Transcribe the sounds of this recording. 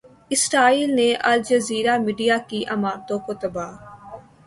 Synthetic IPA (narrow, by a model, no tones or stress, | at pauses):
ɪsɾaːiːlnẽːʔəld͡ʒəziːɾaːmiːɖijaːkiːʔəmaːɾt̪õːkot̪əbaː